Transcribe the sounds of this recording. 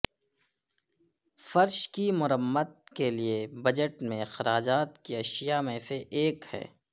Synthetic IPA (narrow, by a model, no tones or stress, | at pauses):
fɐɾʃkimʊɾəmːəd̪̚keliebɐd͡ʒəʈmẽxɐɾaːd͡ʒaːt̪kiɐʃijamẽseʔeːkhɛ̰ː